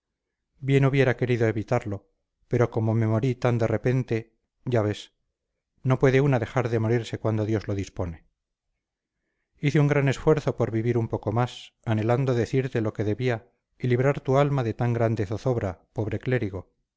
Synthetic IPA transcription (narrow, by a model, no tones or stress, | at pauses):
bje̞nuβje̞ɾake̞ɾiðo̞e̞βit̪aɾlo̞ | pe̞ɾo̞ko̞mome̞mo̞ɾit̪and̪e̞re̞pe̞nt̪e̞ | ɟ͡ʝaβe̞s | no̞pwe̞ðe̞unaðe̞xaɾðe̞mo̞ɾiɾse̞kwand̪o̞ðjo̞zlo̞ðispo̞ne̞ | iθeuŋɡɾane̞sfwe̞ɾθo̞po̞ɾβiβiɾumpo̞ko̞masane̞land̪oðe̞θiɾt̪e̞loke̞ðe̞βia | iliβɾaɾt̪ualmaðe̞t̪aŋɡɾand̪eθoθo̞βɾapo̞βɾe̞kle̞ɾiɣ̞o̞